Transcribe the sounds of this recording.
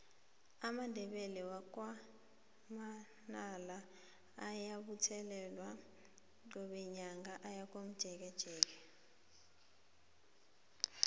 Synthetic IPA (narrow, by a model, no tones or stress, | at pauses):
amandʱɛɓɛlɛwak̬wa | ma | nala | ajaɓutʰɛlɛlwa | ɔɓɛɲaŋɡaʔajak̬ʼom̩d̥ʒ̥ʱɛk̬ɛd̥ʒ̥ʱɛːk̬ɛ